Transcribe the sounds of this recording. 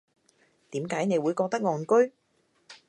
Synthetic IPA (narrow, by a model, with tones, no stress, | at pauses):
t̪iː˨˥mkaː˨˥jne˨˧jwuː˨˧jkɔː˧k̚t̪ɐ˥k̚ŋɔː˨˩nkɵ˥ɥ